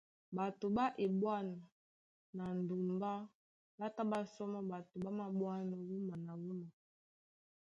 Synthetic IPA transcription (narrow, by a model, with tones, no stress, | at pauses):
ba˨to˨ba˦ʔe˨bwa˦na˨ | na˨n˨du˨mba˦ | ba˦ta˦ba˦sɔ˦mɔ˦ba˨to˨ba˦ma˨bwa˦nɔ˨wu˦ma˨na˨wu˦ma˨